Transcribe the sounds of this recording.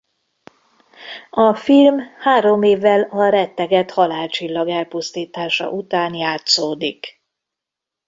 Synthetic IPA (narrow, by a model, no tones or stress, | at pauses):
ɒfilmhaːɾo̞meːvːɛlɒɾɛt̪ːɛɡɛt̪hɒlaːlt͡ʃilːɒɡɛlpust̪iːt̪aːʃɒ̰ʔut̪aːnjaːt̪soːd̪ik